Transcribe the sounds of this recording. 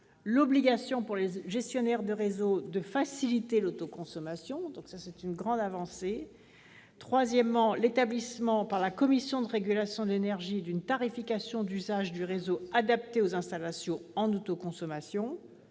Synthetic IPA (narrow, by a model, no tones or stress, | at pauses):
lɔbliɡasjɔ̃puʁleʒɛst̪jɔnɛʁd̪əʁezod̪əfasilit̪elot̪okɔ̃sɔmasjɔ̃d̪ɔ̃ksasɛt̪ynɡʁɑ̃d̪avɑ̃se | t̪χwazjɛmːɑ̃let̪ablismɑ̃paʁlakɔmisjɔ̃d̪əʁeɡʲylasjɔ̃d̪lenɛʁʒid̪ynt̪aʁifikasjɔ̃d̪yzaʒd̪yʁezoad̪apt̪eozɛ̃st̪alasjɔ̃ɑ̃not̪okɔ̃sɔmasjɔ̃